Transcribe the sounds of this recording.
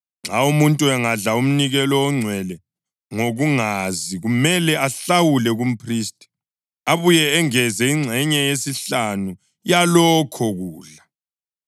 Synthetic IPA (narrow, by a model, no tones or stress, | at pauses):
ŋ͡ǁʱaumuntʼuɛŋaɮaum̩niɣɛlɔwɔŋ͡ǀʱwɛlɛ | ŋoɣuŋaziɣumɛlɛʔaɬawulɛɣum̩pʰristʼi̥ | aβujɛːŋɛzɛiŋ͡ǀʱɛɲɛjesiɬanu | jalɔkʰɔɣuːɮa